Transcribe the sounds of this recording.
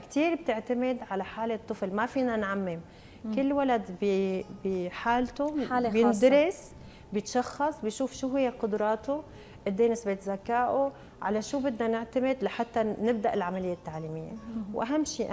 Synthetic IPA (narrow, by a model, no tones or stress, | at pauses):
kt̪iːɾb̚t̪ɪʕt̪amɪd̪ʕalaħaːlet̪ˤːɨflmafiːnanʕamːɪm | kɪlːwalad̪bibiħaːlt̪oabjɪnd̪ɾˤɪs | bjɪt̪ʃɑxːɑsˤbɪjʃuːfʃuːɦɪjːeqʊd̪ɾˤɑːt̪ʊ | ʔɪd̪ːeːnɪsbeːt̪zakaːʔo | ʕa̰laʃuːbɪd̪nanɪʕt̪amɪd̪laħat̪ːanɪb̚d̪aʔɪlʕamalɪjːat̪ːaʕliːmɪjːawʔaɦamːʃiːʔ